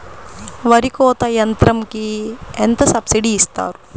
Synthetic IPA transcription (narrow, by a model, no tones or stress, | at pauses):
ʋɐɾikoːt̪ɐjɐnt̪ɾɐmkient̪ɐsɐbsiɖiːst̪a̰ːɾu